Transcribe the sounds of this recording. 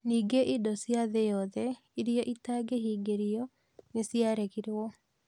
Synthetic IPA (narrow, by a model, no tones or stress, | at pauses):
niːɡeʔidɔsjaðejɔðɛ | iɾiɔʔitaɡeɦiːɡeɾiɔ | nesjaɾeɣiɾwɔ